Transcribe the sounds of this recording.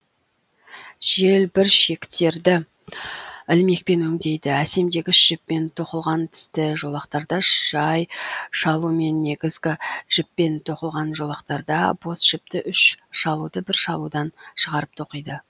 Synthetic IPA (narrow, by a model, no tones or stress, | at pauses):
ʒ̥e̞lbɪɾʃe̞kt̪e̞ɾd̪ɪ | ɪlme̞k̚pe̞nɵŋd̪e̞jd̪ɪæse̞md̪e̞ɡʲɪʃʒ̥ɪpːe̞nt̪ʰo̞qəlˠʁɑnt̪ʰʏ̥st̪ɪʒo̞lˠɑqt̪ɑɾd̪ɑʒ̥ɑjʃɑlˠume̞nːe̞ɡʲɪzɡʲɪʒ̥ɪpːe̞nt̪ʰo̞qəlˠʁɑnʒo̞lˠɑqt̪ɑɾd̪ɑ̰bo̞sʒ̥ɪp̚t̪ɪʔʏʃʃɑlˠud̪əbɪɾʃɑlˠud̪ɑnʃəʁɑɾəp̚t̪ʰo̞qəjd̪ə